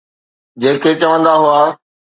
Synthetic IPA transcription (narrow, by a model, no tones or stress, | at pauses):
d͡ʑeːkʰet͡ɕɐʋə̃nd̪aɦuaː